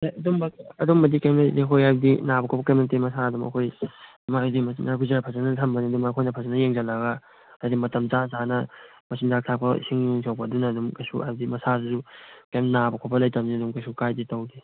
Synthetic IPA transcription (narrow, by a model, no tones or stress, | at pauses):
ɐdumbɐkɐdumːɐdikajmalikʰojajb̚dinabɐkʰopɐkɐjmnɐtemɐsaɐdumɐ̰kʰoj | madimɐsinaɡʰuzaɾapʰɐzɐnɐtʰɐmbɐniɐdumɐːkʰojnɐpʰɐzanɐjeŋd͡ʒɐlɐɡɐ | dimɐtɐmt͡ʃasanɐ | mɐsindak̚tʰak̚pʰɐ̰siŋjuŋsʰawpɐɐdunɐːdumkɐjsua̰jb̚dimɐsasusukejmnabɐkʰopɐlɐjtɐmniɐdumkɐjsukajditɐwdi